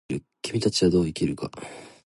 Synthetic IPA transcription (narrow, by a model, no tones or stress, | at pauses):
ɾɯ̟ | kʲimʲit̪at͡ɕiɡad̪o̞ːikʲiɾɯ̟ka̰